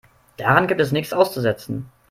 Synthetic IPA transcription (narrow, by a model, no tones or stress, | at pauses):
d̥aʁanɡiːp̚tɛsnɪçt͡sʔaʊst͡suzɛt͡sn̩